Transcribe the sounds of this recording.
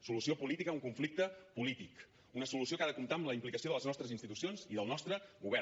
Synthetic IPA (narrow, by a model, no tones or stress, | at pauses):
sulusiopulit̪ikəuŋkuɱflik̚t̪əpulit̪ik | unəsulusiokaðəkumt̪aəmləimplikəsioðəlˠəznɔst̪ɾəzinst̪it̪usionzḭðəlˠnɔst̪ɾəɣuβɛ